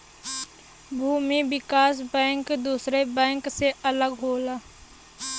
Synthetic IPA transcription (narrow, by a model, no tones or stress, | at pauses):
bʱuːmiwɪkaːsbɛ̃ːŋkd̪uːsɾebɛ̃ːŋkseɐləɡɦoːlaː